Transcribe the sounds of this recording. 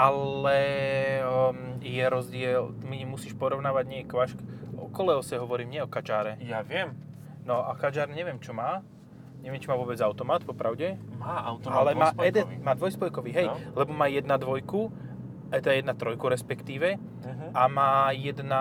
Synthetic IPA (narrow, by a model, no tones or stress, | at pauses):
alɛ | jɛɾɔzɟɪɛlmimusiːʃpɔɾɔʊnaːʋaɟɲɪɛkʋaʃkɔ̰kɔlɛɔsɛɦɔʋɔɾiːmɲɛɔkad͡ʒaːɾɛjaʋɪɛm | nɔakad͡ʒaːɾɲɛʋjɛmt͡ʃɔmaː | ɲɛʋɛmt͡ʃimaːʋʊɔbɛd͡zaʊt̪ɔmaːt̪pɔpɾaʊɟɛmaːaʊt̪ɔalɛmaːɔɛd̪ɛimaːd̪ʋɔjspɔjkɔʋiɦɛjlɛbɔmaːjɛd̪nad̪ʋɔjku | ɛd̪ajɛd̪nat̪ɾɔjkuɾɛspɛkt̪iːʋɛ | amaːjɛd̪na